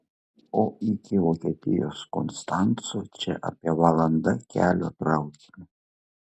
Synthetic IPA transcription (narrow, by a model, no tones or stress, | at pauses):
oːɪkʲɪʋoːkʲiɛt̪ʲɪjo̰ːsko̰nst̪ɑnt̪soːt͡ʃʲɛ̰ʔɐ̰pʲiɛʋɐlˠɐnd̪ɐkʲæ̰ːlʲoːt̪ɾɐʊkʲmɐ